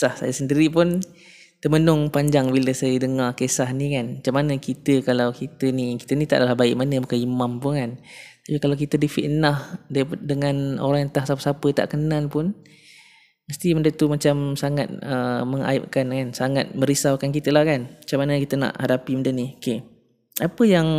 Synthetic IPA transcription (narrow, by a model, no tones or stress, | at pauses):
sahsa̰jasəndiɾipʊn | t̪əmənʊŋpaɲd͡ʒaŋbiləsajədəŋakesahnikanmat͡ʃamanəkit̪əkalawkit̪əniki̥t̪ənit̪a̰ʔdalahbaɪʔmanəmakəimampʊnkant̪apikalawk̬it̪ədifḭʔnahddəŋano̰ɾaŋjant̪ahsapəsapət̪a̰ʔkənalpʊn | məst̪iməndət̪umat͡ʃamsaŋa̰t̪̚əməŋa̰ḭp̚kankansaŋat̪̚mə̃ɾisawkankit̪əlahkanmat͡ʃamːanə̃kit̪əna̰ʔhadapiməndənioke | apəjaŋ